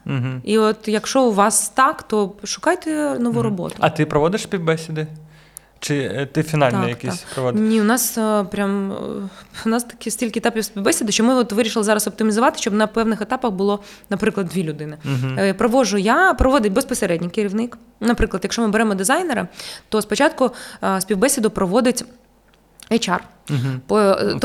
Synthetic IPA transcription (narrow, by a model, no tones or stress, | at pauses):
ɦ̩iɔt̪jɐkʃɔʊʋɑst̪ɑkt̪ɔʃʊ̥kɑjt̪ɛnɔʋuɾɔbɔ̰t̪ʊɐt̪ɪpɾɔʋɔd̪ɪʃspʲiwbɛsʲɪd̪ɪ | t͡ʃɪt̪ɪfʲinɑlt̪nɛjɐkʲiaksʲpɾɔʋɔdnʲiʊnɑspɾʲam | nɑst̪ɐ̥kʲisʲtʲilʲkʲɪet̪ɑpʲiwsʲpʲiwbɛsʲɪd̪ɪʃt͡ʃɔmɪɔt̪ʋɪɾʲiʃɪlˠɪzɑɾɐsɔp̚t̪ɪmʲizʊʋɑt̪ɪʃt͡ʃɔbnɐpɛwnɪxet̪ɑpɐxbʊlˠɔ | nɐpɾɪklˠɐd̪̚ʲʋʲilʲʊd̪ɪnɪpɾɔʋɔʒʊjapɾɔʋɔd̪ɪt̚ʲbespɔseɾɛdʲnʲijkɪɾʲiʋnɪk | nɐpɾɪklˠɐd̪jɐkʃɔmɨbeɾɛmɔd̪ɪzɑjnɛɾɪt̪ɔspɔt͡ʃɑt̪̚kʊspʲiwbɛsʲɪd̪ʊpɾɔʋɔd̪ɪtʲ | ɛjt͡ʃɑr | pɔt̪